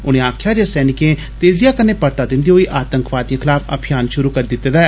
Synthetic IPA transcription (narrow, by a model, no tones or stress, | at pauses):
ʊñẽːaːkʰjaːd͡ʒeːsɛːnɪkẽː | t̪eːzɪjaːkəneːpəɾt̪aːd̪ɪ̃nd̪iːɦoːiːʔaːt̪əŋkʋaːd̪jĩːkʰɪlaːpʰə̰bʰʱɪjaːnʃʊɾuːkəɾːd̪ɪt̪ːed̪a